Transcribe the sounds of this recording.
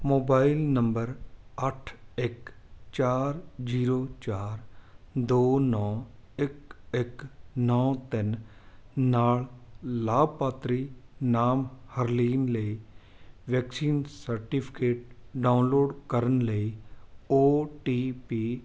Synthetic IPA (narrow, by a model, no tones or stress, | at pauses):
moːbaːɪlnəmbəɾɐʈʰɪk | t͡ʃaːɾd͡ʒiːɾoːt͡ʃaːɾd̪oːnɔːɪkɪknɔːt̪ɪn | naːɭlaːb̚paːt̪ɾiːnaːmhəɾliːnləi | ʋɛːksiːnsəɾʈipʰɪ̥keːʈ̚ɖaːʊnloːɖkəɾənləioːʈiːpiː